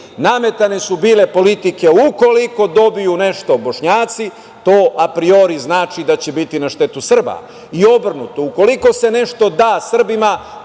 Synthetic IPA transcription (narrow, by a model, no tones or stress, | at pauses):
name̞t̪ane̞subiːle̞po̞lit̪ike̞uko̞liko̞d̪o̞bijune̞ʃt̪obo̞ʃɲaːt̪si | t̪o̞ːʔapɾio̞ɾiznaːt͡ʃid̪at͡ɕebit̪inaʃt̪e̞t̪usr̩ba̰ | io̞br̩nut̪o̞uko̞liko̞se̞ne̞ʃt̪o̞d̪aːsr̩bima